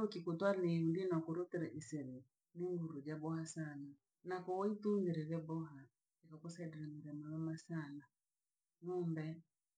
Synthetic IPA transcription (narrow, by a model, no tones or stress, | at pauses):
ukikutwanimdinakuɾɔtɛɾaʔisɛlɛ | niŋɡuɾud͡ʒabɔhasana | nakɔɔituŋɡiɾɛβɛbɔɦa | ikakɔsaidiɾamuɾɛmawamasana | numbɛ